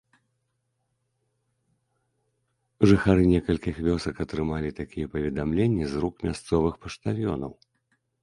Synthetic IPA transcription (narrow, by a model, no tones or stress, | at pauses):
ʐɨxaɾɨnʲɛkɐlʲkʲixvʲɔsɐkɐt̪ɾɨmalʲit̪akʲijɛpɐvʲɛd̪amlʲenʲːizɾukmʲast̪sɔvɨxpɐʂt̪avʲjɔ̰nɐw